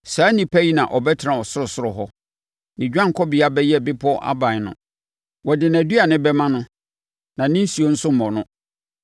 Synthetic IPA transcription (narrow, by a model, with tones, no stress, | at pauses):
saː˨˦nĩ˨pʰæ˦ji˦nã˨ʔɔ˨bɛ˦tʰɪ˨ɾã˨ɔ˨sʊ˦ɾʊ˨sʊ˦ɾʊ˨ɦɔ˦ | nɪ̃˨d͡ʑᶣã˦ŋ˨kʰɔ˦bɪ˨a˦bɛ˦jɛ˦˨bɪ˦pʰɔ˦ʔa̰˦bã˨nʊ̰̃˨ | wɔ˨dɪ˨nã˨du˦a˨nɪ̃˦bɛ˦mã˦nʊ̃˦ | nã˨nɪ̃˦n̩˦si˨o˦n̩˦sʊ˦m̩˨mɔ̃˨nʊ̃˦